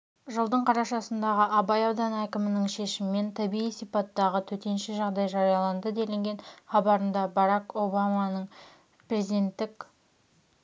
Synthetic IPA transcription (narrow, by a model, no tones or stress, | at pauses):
ʒəlˠd̪əɴqʰɑɾɑʃɑsənd̪ɑʁəʔɑbɑjɑwd̪ɑnækʲɪmɪnɪŋʃe̞ʃɪmɪme̞nt̪ʰɑbiijsijpɑt̪ːɑʁət̪ʰɵt̪e̞nʃɪʒɑʁd̪ɑjʒɑɾijɑlˠɑnd̪əd̪e̞lɪŋɡʲe̞nχɑbɑɾənd̪ɑbɑɾɑko̞bɑmɑnəɴ | prʲe̞zid̪e̞nt̪ːɪkʲ